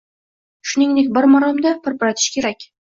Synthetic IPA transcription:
ʃʊnɪŋd̪ek̚ʲbɪɾmɒɾɑmd̪apʰɪɾpaɾat̪ʰɪ̥ʃkʲʰeɾækʲ

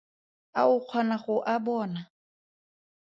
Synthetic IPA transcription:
a̰ʊq͡χʰwanaχʊʔabɔːna

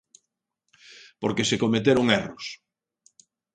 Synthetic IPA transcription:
poɾkesekomet̪eɾʊŋeros

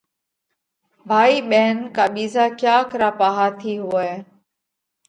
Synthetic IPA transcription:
bʱaːiːɓeːnkaːɓiːzaːkjaːkəɾaːpaːɦaːt̪ʰiːɦʊeː

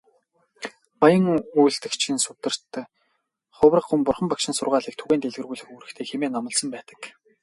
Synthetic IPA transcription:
pajə̆ŋujɬt̪ɘ̆xt͡ɕʰinsʊt̪ɘ̆r̥t̪ | χʊwrə̆qːumpʊrχə̆mpakʃɪ̆nsʊrʁaːɮiːk̚t̪ʰuɣeːnt̪eɮɣɘ̆rɣuːjɮɘ̆xuːɾɘ̆kt̪ʰeːxemeːnamə̆ɮsə̆mpæːt̪ə̥̆k

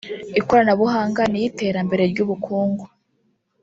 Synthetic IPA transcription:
iko̞ɾanaβuɦaːŋɡanijite̞ːɾambe̞ɾe̞ɾɟuːβukʰuːŋɡo

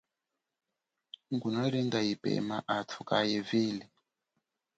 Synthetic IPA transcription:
ŋɡunaɾiŋɡaipɛ̰maʔatʰukajɛviːli

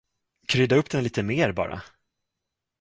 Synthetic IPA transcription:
kʰɾʏd̪aɵpːd̪ɛnliːt̪əmeːɾbɑ̰ːɾa̰

